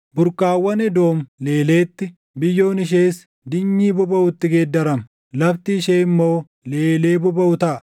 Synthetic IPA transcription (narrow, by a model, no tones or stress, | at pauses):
bʊɾkʼaːwːɐnɛd̪o̞ːmle̞ːle̞ːt̪ːɪ | bɪjːo̞ːnɪʃ̬eːs | d̪ɪɲːiːbʊbɐʊt̪ːɪɡeːd̪ːɐɾɐm | lɐft̪iːʃeːɪmːo̞ː | le̞ːle̞ːbʊbɐʊt̪ɐʔ